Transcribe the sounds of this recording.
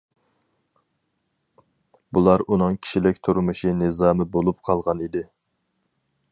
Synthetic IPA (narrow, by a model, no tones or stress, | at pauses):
bulˠɑɾunɨŋkʲʰi̥ʃilɪkʲt̪ʰuɾmɨʃinɨzɑːmɨbolˠup̚qʰɑlˠʁɑnid̪ɪ